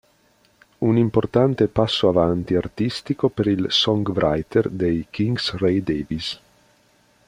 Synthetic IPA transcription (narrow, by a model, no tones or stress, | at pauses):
unimport̪ant̪epasːoavant̪iart̪ist̪ikopeɾilsɔŋɡvɾʔajt̪erd̪ejkiŋɡsrejd̪eːvis